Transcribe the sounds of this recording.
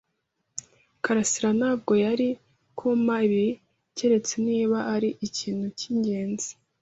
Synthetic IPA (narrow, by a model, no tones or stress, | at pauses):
kaɾasiɾanaːbɡo̞jaɾi | kʰomaiβi | ce̞ɾe̞t͡se̞niːβaaɾiʔiciːn̥huciɲɟe̞ːnzi̥